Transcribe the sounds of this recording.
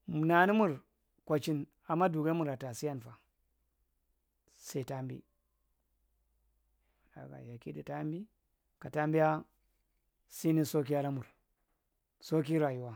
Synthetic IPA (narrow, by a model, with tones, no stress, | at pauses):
mu˨na˨ni˦mu˦ɾ | kʷa˨t͡ʃi˦n | a˨mːa˦du˨ɡa˦mu˨ɾa˨ta˨si˦ja˦nfa˨ | se˦i˨ta˦mbḭ˦˨ | da̰˨ɡa̰˨ja˨kḭ˦di˨ta˦mbi˦ | ka˨ta˦mbi˦ja˦ | si˦ni˦so˦k̬i˦ja˦ɾa˦mu˨ɾ | so˦k̬i˦ɾa˨ju˦wa˦